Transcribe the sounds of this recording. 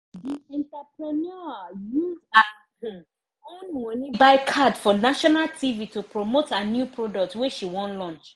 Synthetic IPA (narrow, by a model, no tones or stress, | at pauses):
diɛ̃ntapɹɛnɔjuda | ɔ̃nwɔ̃nibaɪkʰadfɔnaʃɔnaltʰivitupɹomotʰanjupɹɔdɔk̚tweʃiwɔ̃nlɔ̃nt͡ʃ